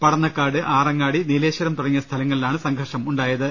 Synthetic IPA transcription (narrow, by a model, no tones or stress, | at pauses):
pɐɽɐnːɐkːaːɽɨʔaːrɐŋːaːɽinileːɕɐɾɐmt̪urɐŋːijɐst̪ʰɐlɐŋːɐɭilaːɳɨsɐŋɡʱɐrʂɐmuɳɖaːjɐðɨ